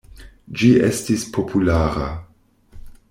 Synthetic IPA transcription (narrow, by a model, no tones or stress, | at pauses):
d͡ʒiḛstispʰo̞pʰulaːɾa